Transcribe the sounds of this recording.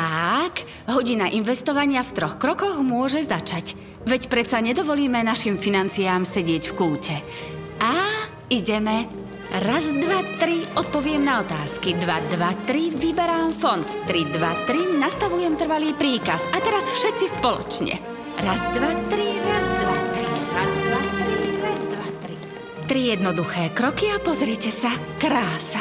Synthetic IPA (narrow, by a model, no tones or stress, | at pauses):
ak | ɦɔɟinaʔinʋɛst̪ɔʋaɲɪaft̪ɾɔxkɾɔkɔɣmʊɔʒɛzat͡ʃac | ʋɛcpɾɛt̪t͡saɲɛd̪ɔʋɔliːmɛnaʃimfinant͡siaːmsɛɟɪɛcfkuːcɛ | a | iɟɛmɛ | ɾazd̪ʋat̪ɾiɔt̪̚pɔʋɪɛmnaɔt̪aːskid̪ʋad̪ʋat̪ɾiʋibɛɾaːmfɔnt̪ːɾid̪ʋat̪ɾinast̪aʋujɛmt̪r̩ʋaliːpɾiːkasat̪ɛɾasfʃɛt̪t͡sispɔlɔ̰t͡ʃɲɛ̰ | ɾazd̪ʋat̪ɾiɾazaɾiaaɾiɾa | i | t̪ɾijɛd̪nɔd̪uxɛːkɾɔkiapɔzɾɪɛcɛsa | kɾaːsa